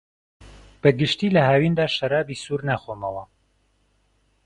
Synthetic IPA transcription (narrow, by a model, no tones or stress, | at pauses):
b̥ɐɡɨʃt̪iːlɐɦaːwiːnd̪aːʃɐɾaːbiːsuːɾnaːxonɐlɐ